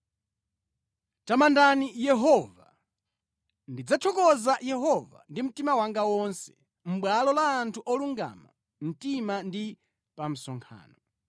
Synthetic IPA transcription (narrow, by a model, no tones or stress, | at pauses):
tamandanijɛɦɔva | ndid͡zat͡ʃʰɔkɔzajɛɦɔva̰ndim̩timawaŋɡawɔnsɛ | m̩ɓwalɔlaːntʰuʔɔluŋɡa̰ma̰ | m̩timandi | pam̩sɔŋkʰa̰ːnɔ